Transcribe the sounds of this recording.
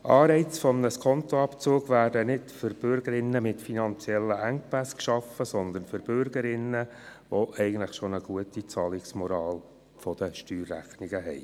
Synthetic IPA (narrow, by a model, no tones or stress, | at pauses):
ʔɑːɾɛɪt͡sfɔmnəskʰɔnt̪oɑpt͡soːɡʋæːɾdənɪtføɾb̥ʏɾɡəɾɪnːəmɪtfinɑnt͡sjɛlːəʔæŋpæskʃɑfəsɔnd̪ənføɾb̥ʏɾɡ̥əɾɪnːə | ʋoʔɛɪɡən̩tləχʃonəɡ̥uətit͡sɑːlɪksmɔɾɑːl | fɔd̥̪əʃtyːrːæ̰χniɡəɦɛɪ